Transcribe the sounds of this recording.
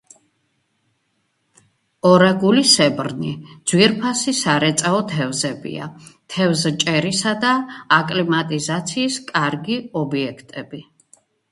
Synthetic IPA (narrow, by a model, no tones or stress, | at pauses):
ɔɾaɡulisɛbɾnid̪z̥wiɛɾpʰasisaɾɛt̪sʼaɔt̪ʰɛvzɛbḭa̰t̪ʰɛvzt͡ʃʼɛɾisad̪aːkʼlimat̪ʼizat̪sʰiːskʼaɾɡiɔbiɛkʰt̪ʼɛbi